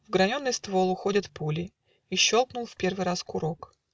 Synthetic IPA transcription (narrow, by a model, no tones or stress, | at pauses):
vɡɾɐnʲo̞nːɨjst̪vo̞lˠʊxo̞dʲɪt̪pulʲɪ | iɕːo̞lˠknʊlˠfʲpʲe̞rvɨjɾaskʊɾo̞k